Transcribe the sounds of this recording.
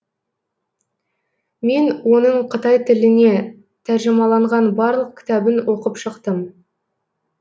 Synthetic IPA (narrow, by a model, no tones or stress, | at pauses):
me̞nwo̞nəɴqʰət̪ɑjt̪ʰɪlɪne̞ | t̪ʰæɾʒɪmɑlˠɑɴʁɑnbɑɾlˠəq̚kʲʰɪ̥t̪æbɪnwo̞qəpʃəqt̪əm